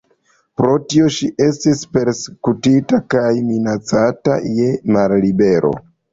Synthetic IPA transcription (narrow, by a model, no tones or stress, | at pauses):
pɾo̞tio̞ʃiʔe̞stispe̞ɾse̥kutitakajminat͡sata̰je̞mallibe̞ɾo̞̰